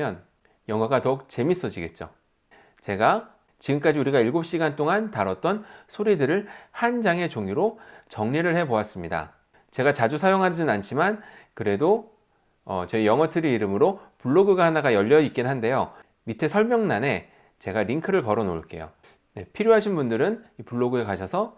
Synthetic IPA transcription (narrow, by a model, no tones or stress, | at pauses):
jʌn | jʌŋʌɡatʌuk̚t͡ɕe̞mis͈ʌd͡ʑiɡe̞t̚t͡ɕ͈o̰ | t͡ɕe̞ɡa | t͡ɕiɡɯmk͈ad͡ʑiuɾiɡaiɭɡop̚ɕ͈iɡant͈oŋantaɾʌt̚t͈ʌnsʰoɾidɯɾɯɭhand͡ʑaŋe̞t͡ɕoŋiɾot͡ɕʌŋɲiɾɯɭhe̞boas͈ɯmɲida̰ | t͡ɕe̞ɡat͡ɕad͡ʑusʰajoŋɦad͡ʑinant͡ɕʰimankɯɾe̞do | ʌt͡ɕʌejʌŋʌtʰɯɾiiɾɯmɯɾopuɭːoɡɯɡaɦanaɡajʌʎːʌik͈inɦande̞jo | mitʰe̞sʰʌɭmjʌŋnane̞ | t͡ɕe̞ɡaɾiŋkʰɯɾɯɭkʌɾʌno̰ɭk͈e̞̰jo̰ | ne̞pʰiɾjoɦaɕʰinbundɯɾɯnipuɭːoɡɯekaɕʰʌsʰʌ